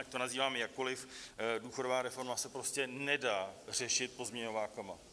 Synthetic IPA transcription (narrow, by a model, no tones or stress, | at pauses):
ac̚t̪o̞naziːvaːmɛjakːo̞lɪfduːxo̞dovaːɾɛfo̞ɾmasɛpɾo̞scɛnɛdaːr̝ɛʃɪt̪̚po̞zmɲɛɲovaːkama̰